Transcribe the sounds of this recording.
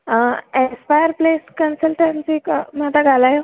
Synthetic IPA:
espajəɾpleskənsəlʈansikm̤aʈ̪aɡʱalaje

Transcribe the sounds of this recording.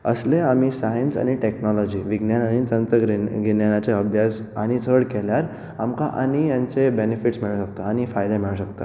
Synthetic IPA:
ə̰sleamisajensa̰ɽ̃iʈeknɔlɔd͡ʑiːʋiɡnjananit͡s̪ənt̪əɾɡinjanat͡seəbʱjas | añit͡səɽkɛljaɾ | amkaʔañijaɲt͡sebenefiʈsmiɭəɕəkt̪aaɽ̃ifajd̪emiɭəɕəkt̪a̰

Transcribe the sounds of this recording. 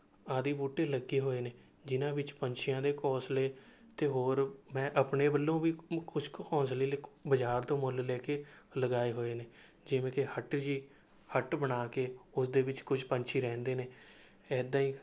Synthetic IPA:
aːd̪iːbuːʈːeːləɡeːɦoːeːneː | d͡ʒɪnãːbɪt͡ʃpəɲt͡ʃʰɪjãːd̪eːkɔːsleː | t̪eːɦoːɾmɛ̃ːʔəpɳeːbəlːõːʋiːkʊt͡ʃkkʰɔ̃ːnsliːlebəd͡ʒaːɾt̪õːmʊllɛːkeːləɡaːeːɦoːeːneː | d͡ʒɪʋẽːkehəʈd͡ʒiː | həʈbənaːkeːʊsd̪eːʋɪt͡ʃkʊd͡ʒpəɲt͡ʃʰiːɾɛ̃ːnd̪eːneː | ɛːd̪ãːiː

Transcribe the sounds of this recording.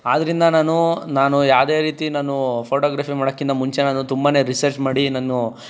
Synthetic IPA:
aːd̪ɐɾind̪ɐnaːnunaːnujaːʋd̪e̞ːɾiːt̪inaːnupʰoːʈoːɡɾaːpimaːɽokːind̪ɐmuɲt͡ʃe̞naːnut̪umbaːne̞ːɾisɐɾt͡ʃmaːɽinaːnu

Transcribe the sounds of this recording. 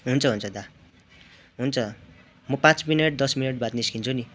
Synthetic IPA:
ɦunt͡sʰʌɦunt͡sʰʌd̪a | ɦunt͡sʰʌ | mʌpãt͡smineʈ̚d̪ʌsmineʈ̚bat̪niskint͡sʰuni

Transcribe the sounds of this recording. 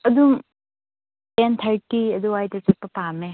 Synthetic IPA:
ɐdum | ent̪ʰɐɾtiɐd̪uwajtɐt͡ʃɐk̚pɐpame

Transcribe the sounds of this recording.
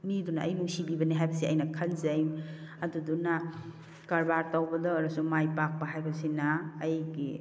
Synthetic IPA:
midunaʔɐ̰jmusibibɐniɦajbɐsiɐjnɐkʰɐnzɐjm | ɐduduna | kɐɾbaɾtawbɐdɐːɾɐsumajpak̚pɐɦajbɐsinɐːjɡi

